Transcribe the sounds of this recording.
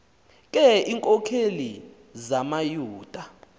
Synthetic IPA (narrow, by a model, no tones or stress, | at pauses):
k̬ʼɛiŋkʼɔkʰeli | zamajuːd̥ʱa